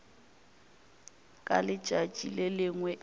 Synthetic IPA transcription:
kʼa̰lɪt͡ʃʼat͡ʃʼilelɪŋwɛ

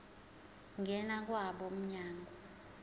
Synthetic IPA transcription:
ŋɛnak̬waɓɔm̩ɲaːŋɡʱɔ

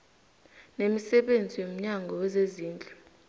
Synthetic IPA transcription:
nemisɛɓend͡zʱiwom̩ɲaŋɡʱɔwɛzeziːnd͡ɮʱʼu

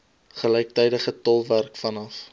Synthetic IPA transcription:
χəlɛjk̚təjdəχətɔlˠværkfɐnɐf

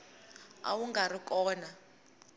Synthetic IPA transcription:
a̰wuŋɡʱarikʼɔːna

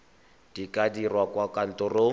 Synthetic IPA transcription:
d̥ikʼadirwakwakʼan̩tɔro

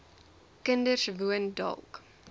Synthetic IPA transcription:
kəndərsvuəndɑ̰lˠk

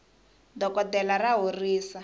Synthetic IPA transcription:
dɔkɔtɛlaraɦoriːsa

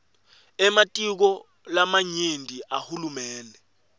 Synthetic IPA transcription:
ɛmatʼik̬ɔ | lamaɲendʱiʔahulumɛːndʱɛ

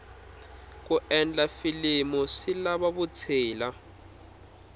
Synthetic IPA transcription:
kuɛnd͡ɮafilimusilaβaβut͡sʰiːla

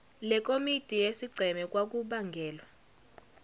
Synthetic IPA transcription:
lɛk̬ʼomitʼijesiɡ͡ǀʱɛmɛk̬ʼwak̬uɓaŋɡʱɛːlwa

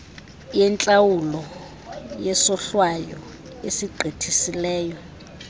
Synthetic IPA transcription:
jɛnt͡ɬʼawulɔ | jɛsɔɬwajɔ̰ | esiɡ͡ǃʱetʰisilɛːjɔ

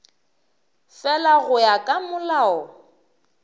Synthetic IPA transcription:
fɛlaɣʊjakʼamʊlaːɔ

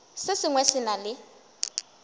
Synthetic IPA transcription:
sɪsɪŋwɛsɪnalɪ

